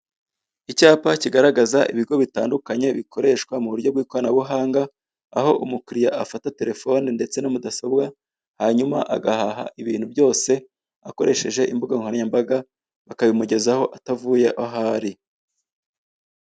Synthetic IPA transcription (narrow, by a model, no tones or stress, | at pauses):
icaːpaciɡaɾaɡazaḭβiɡo̞βitaːndukaɲe̞βikʰo̞ɾe̞ːʃkwamuβuɾjo̞ɡwiːkwoanaβuɦaːŋɡaː | ho̞ʔumukuɾijaʔafatate̞ɾe̞fo̞ninde̞t͡se̞nomudasobɡa | haɲumaʔa̰ɡahaɦa̰ʔiβiːn̥hubjo̞ːse̞ | ako̞ɾe̞ʃe̞ʒe̞ʔimbuɡaiŋhoɾaɲambaɡa | βakaβimuɟe̞zaho̞ʔatavuje̞ʔaɦaɾi